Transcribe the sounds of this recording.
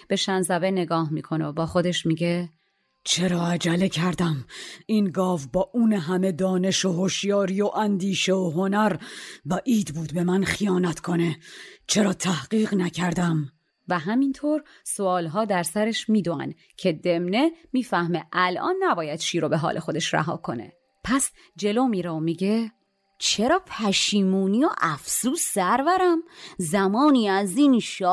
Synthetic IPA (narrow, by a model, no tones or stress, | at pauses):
b̥e̞ʃænzæbene̞ɡɒːhmḭːkʰo̞nebɒːxo̞d̪e̞ʃmiːɟe̞ | t͡ʃʰe̞ɾɒːæd͡ʒælecʰæɾd̪æminɡɒːvbɒːʔuːneɦæme̞d̪ɒːne̞ʃoɦoʃjɒːɾijoʔænd̪iːʃeoɦonæɾvæʔiːd̪buːd̪be̞mænχijɒːnæt̪kʰo̞net͡ʃʰe̞ɾɒːt̪ʰæhɢiːɣnæcʰæɾd̪æm | væɦæmint̪ʰoːɾ | soɒːlɦɒːd̪æɾsæɾeʃmiːd̪oæ̰n | cʰe̞d̪emne̞miːfæhme̞ʔælʔɒ̰ːnːæbɒːjæd̪̥ʃiːɾobeɦɒ̰ːlʔe̞xo̞d̪e̞ʃɾæ̰ɦɒ̰ːkʰo̞ne̞̰ | pʰæs | d͡ʒe̞loːmiːɾeomiːɟe | t͡ʃʰe̞ɾɒːpʰæʃiːmuːnioʔæfsuːsːæɾvæɾæmzæmɒːniːæziːnʃɒː